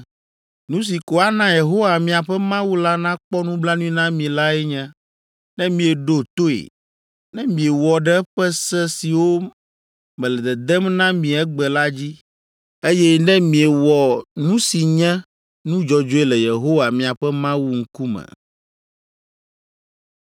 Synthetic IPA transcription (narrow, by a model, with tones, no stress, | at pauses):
nũ˦s̬i˨ko˨a˦nã˦je˨ɦo˦wa˨mĩ˨a˨ɸɛ˦mã˦wu˦la˦nã˦k͡pɔ˦nũ˦bla˦nũ˦ĩ˦nã˦mĩ˨la˦ɛ˦ɲɛ̃˦ | nɛ̃˦mĩ˨ɛ˨ɖo˦t̪o˦ḛ˨ | nɛ̃˦mĩ˨e˨wɔ˨ɖɛ˦ɸɛ˦sɛ˦si˨wo˦ | mɛ̃˨lɛ˨d̪ɛ˨d̪ɛ˦mnã˦mĩ˨ɛ˦ɡ͡bɛ˨la˦d͡ʑi˦ | e˦jɛ˦nɛ̃˦mĩ˨ɛ˨wɔ˨nũ˦si˨ɲɛ̃˦ | nũ˦d͡ʒɔ˨d͡ʒo˦e˦lɛ˨je˨ɦo˦wa˨mĩ˨a˨ɸɛ˦mã˦wu˦ŋ̩˦ku˦mɛ̰̃˨